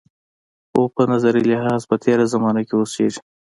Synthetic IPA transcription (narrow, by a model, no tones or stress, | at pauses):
opənazaɾilɪɦɑːzpət̪ʰeːɾazamɑnakewoseʒ